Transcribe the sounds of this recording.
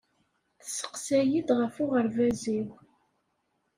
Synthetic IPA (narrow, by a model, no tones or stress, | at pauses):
θsːə̥qsæjid̪ʁəfʊʁəɾvæziw